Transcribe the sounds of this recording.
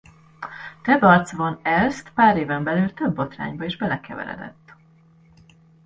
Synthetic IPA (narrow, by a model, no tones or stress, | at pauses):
t̪ɛbɒrt̪svonɛlst̪paːɾeːvɛmbɛlyːlt̪øbːo̞t̪ra̰ːɲbɒeːʒbɛlɛkɛ̰vɛ̰ɾɛ̰d̪ɛ̰t̪ː